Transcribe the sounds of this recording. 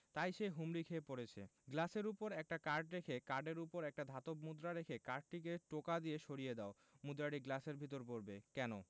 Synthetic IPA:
t̪ajʃeɦumɾikʰeepoɾet͡ɕʰḛɡlaseɾupoɾɛk̚ʈakaɾɖɾekʰekaɾɖeɾupoɾɛk̚ʈad̪ʱat̪op̚mud̪ɾaɾekʰekaɾɖ̚ʈik̬eʈokad̪ijeʃoɾijed̪ao | mud̪ɾaɽiɡlaseɾbʱit̪̬oɾpoɾbekɛno

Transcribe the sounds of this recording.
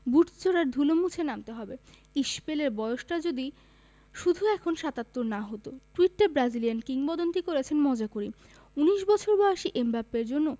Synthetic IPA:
buʈt͡ɕoɾaɾd̪ʱulomut͡ɕʰenamt̪eɦɔbe | iʃpeleɾbɔeoʃʈad͡ʑod̪i | ʃud̪ʱuɛkʰonʃat̪at̪ːoɾnaɦot̪oʈuiʈːeɾbɾad͡ʑilijankiŋbɔd̪ont̪ikoɾet͡ɕʰenmɔd͡ʑakoɾi | uniʃbɔt͡ɕʰoɾbɔeaʃiʔembapːeɾd͡ʑonːo

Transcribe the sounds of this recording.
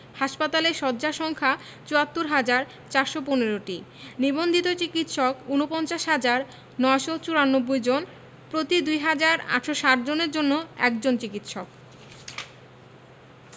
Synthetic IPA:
haʃpat̪aleʃɔdd͡ʑaʃɔŋkʰa | t͡ɕuat̪ːuɾɦad͡ʑaɾ | t͡ɕaɾʃoponeɾoʈi | nibond̪ʱit̪ot͡ɕikit̪ʃɔkunopɔnt͡ɕaʃɦad͡ʑaɾ | nɔeʃot͡ɕuɾanːobːojd͡ʑon | pɾot̪id̪ujɦad͡ʑaɾa̰ʈʃoʃaʈ̚d͡ʑoneɾd͡ʑonːoɛ̰kd͡ʑont͡ɕikit̪ʃɔk

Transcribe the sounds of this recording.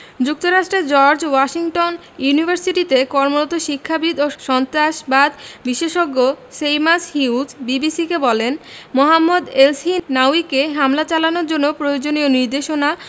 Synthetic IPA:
d͡ʑuk̚t̪oɾaʃʈɾed͡ʑɔɾd͡ʑwaʃiŋʈon | junibʱaɾsiʈit̪ekɔɾmoɾot̪oʃikʰːabid̪oʃɔnt̪ɾaʃbad̪biʃeʃoɡːo | sejmashiwd͡ʑbibisikebɔlenmoɦamːod̪elsinawikeɦamlat͡ɕalanoɾd͡ʑonːopɾojod͡ʑonioniɾd̪eʃona

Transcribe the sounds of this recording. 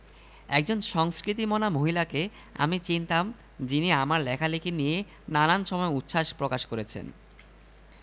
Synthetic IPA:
ɛk̚d͡ʑonʃɔŋskɾit̪̬imonamoɦilake | a̰mit͡ɕint̪am | d͡ʑiniamaɾlɛkʰalekʰinije | naɾanʃɔmɔeutːʃaʃpɾokaʃkoɾet͡ɕʰḛn

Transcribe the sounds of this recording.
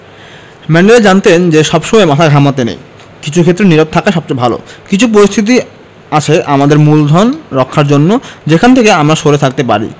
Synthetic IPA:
mɛnɖeed͡ʑant̪end͡ʑeʃɔbʃɔmɔemat̪ʰaɡʱamat̪enḛj | kit͡ɕʰukʰet̪ːɾeniɾob̚t̪ʰakaʃɔb̚t͡ɕojbʱalo̰kit͡ɕʰup̬oɾist̪ʰit̪̬i | at͡ɕʰeʔamad̪eɾmuld̪ʱɔnɾɔkʰːaɾd͡ʑonːod͡ʑekʰant̪ʰekeamɾaʃoɾet̪ʰak̚t̪epa̰ɾḭ

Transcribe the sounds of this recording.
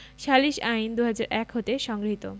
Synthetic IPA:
ʃʰaliʃajnd̪uɦad͡ʑaɾʔɛkɦot̪eʃɔŋɡɾit̪o

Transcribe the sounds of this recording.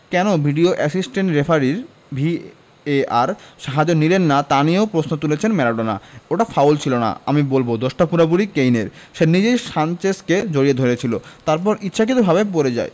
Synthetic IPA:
kɛnobʱiɖioʔɛsisʈeɳʈɾefʰaɾiɾ | bʱi | eaɾʃaɦad͡ʑonilenːat̪aniowpɾosnot̪ulet͡ɕʰenmɛɾaɖona̰oʈafawlt͡ɕʰilona̰amibolbod̪oʃʈapuɾabuɾikejneɾ | ʃenid͡ʑejʃant͡ɕesked͡ʑoɾied̪ʱoɾet͡ɕʰilot̪aɾpɔɾʔitːɕʰakit̪obʱaβepoɾed͡ʑa̰e

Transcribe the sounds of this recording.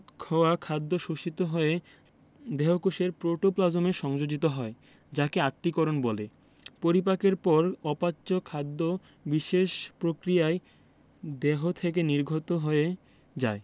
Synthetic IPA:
kʰɔwakʰad̪ːoʃuʃit̪oɦoe | d̪eɦokuʃeɾpɾoʈoplad͡ʑomeʃɔŋd͡ʑod͡ʑit̪oɦɔe | d͡ʑakeat̪ːikɔɾonbɔle | poɾip̬akeɾpɔɾɔpatːɕokʰad̪ːo | biʃeʃpɾokɾijae | d̪eɦot̪ʰek̬eniɾɡʱot̪oɦoe | d͡ʑae

